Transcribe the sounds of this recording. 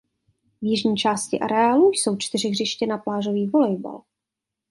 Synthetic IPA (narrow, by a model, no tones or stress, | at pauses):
vjɪʒɲiːt͡ʃaːscɪʔa̰ɾɛaːlujso̞wt͡ʃt̪ɪrɪɣrɪʃcɛnaplaːʒo̞viːvo̞lɛjba̰l